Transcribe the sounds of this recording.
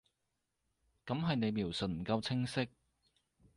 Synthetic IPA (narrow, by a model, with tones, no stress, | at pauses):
kɐ˨˥mɦɐ˨jne˨˧jmi˨˩wsɵ˨n̚m̩˨˩kɐ˧wt͡sʰɪ˥ŋsɪ˥k̚